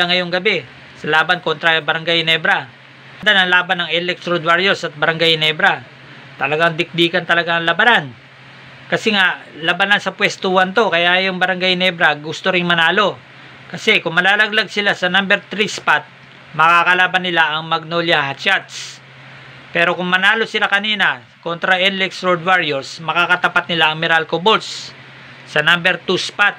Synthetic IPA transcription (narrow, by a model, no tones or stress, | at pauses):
lɐŋɐjoŋɡɐbɛ | sɐlaːbɐnko̞nt̪ɾɐbɐɾɐŋɡajnɛbɾɐ | ɐnd̪anɐŋlaːbɐnːɐŋɛlɛk̚t̪ɾod̪waɾjosɐt̪̚bɐɾɐŋɡajnɛbɾɐ | t̪ɐlɐɡaŋd̪ɪk̚d̪iːkɐnt̪ɐlɐɡaɐŋlɐbanan | kɐsɛŋaʔlɐbɐnansɐpwɛst̪uːhɐnt̪o̞kɐjajʊŋbɐɾɐŋɡajnɛbɾɐɡʊst̪oɾɪŋmɐnaːlo̞ | kɐsɛkʊŋmɐlaːlɐɡ̚laɡ̚sɪlasɐnambɛɾt̪ɾispat̪̚ | mɐkakɐlaːbɐnɪlaʔɐŋmɐɡ̚noljahat͡ʃat̪s | pɛːɾo̞kʊŋmɐnaːlo̞sɪlakɐniːnɐ | ko̞nt̪ɾɐʔɛnlɛksɹod̪waɹjɛɹsmɐkakɐt̪ɐpat̪̚nɪlaʔɐŋmɪɾalkobolsː | ɐnambɛɾt̪uspat̪̚